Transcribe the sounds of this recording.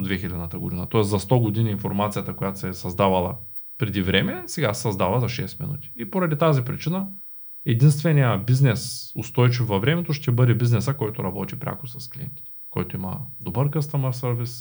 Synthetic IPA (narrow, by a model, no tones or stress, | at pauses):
d̪vɛxilʲɐd̪nət̪əɡo̰d̪inɐt̪ɔɛszɐst̪ɔɡod̪iniːnfoɾmat̪sijɐt̪əkojat̪osɛsɐzd̪avɐlˠɐ̰ | pɾɛd̪ivɾɛmɛsɛɡasɛsɐzd̪avəzɐʃɛst̪mḭnṵt̪i̥ipoɾɐd̪it̪azipɾit͡ʃinə | ɛd̪inst̪vɛnijəbiznɛsost̪ɔjt͡ʃifvɐvɾɛmɛt̪oʃt̪ɛbɤd̪ɛbiznɛsəkɔjt̪oɾɐbɔt̪ipɾʲʔa̰kʊ̥sɐsklʲiɛ̰nt̪i̥t̪ɛ̥kɔ̰jt̪oimɐ̰d̪obəɾkəst̪əməɾsəɾvis